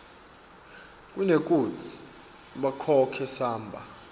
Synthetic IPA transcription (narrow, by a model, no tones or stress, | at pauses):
kʼunekʼut͡sʰi̥ | ɓakʰɔkʰɛsaːmbʱa̰